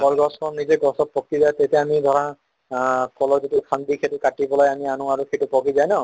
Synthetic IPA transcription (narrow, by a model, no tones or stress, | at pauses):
kɔlɡɔskɔnnizeɡɔsɔt̚pɔkizajt̪et̪eamid̪ʱɔɹã | kɔlɔditukʰand̪ikʰetukaʈibɔlɔjamianũaɾukʰetupɔkizajnɔ